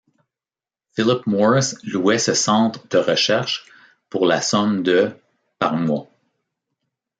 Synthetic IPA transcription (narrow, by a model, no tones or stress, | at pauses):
fɪlɪpmɔɹɪsluɛsəsɑ̃t̪χəd̪əʁəʃɛʁʃ | puʁlasɔmd̪ə | paʁmwa